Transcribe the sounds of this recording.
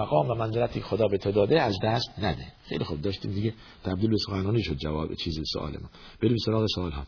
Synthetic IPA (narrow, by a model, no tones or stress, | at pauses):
æɣɒːmvæmænzeɾæt̪ʰiːcʰexod̪ɒːbet̪ʰod̪ɒːd̪eæzd̪æst̪næd̪exejlixub̚d̪ɒːʃt̪ḭːmd̪iɟe | t̪ʰæbd̪iːlbesoxænɒːniːʃod̪̚d͡ʒævɒːbet͡ʃʰiːziso̰ʔɒ̰ːlḛmɔ̰ːn | b̥eɾibesoɾɒːɣesoɒːlɦɒ̰ː